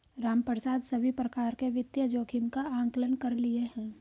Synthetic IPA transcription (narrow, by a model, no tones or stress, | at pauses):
ɾaːmpəɾsaːd̪sɐbʱipɾɐkaːɾkeʋɪt̪jəd͡ʒoːkʰɪmkaãːŋklənkɐɾlieɦɛ̃ː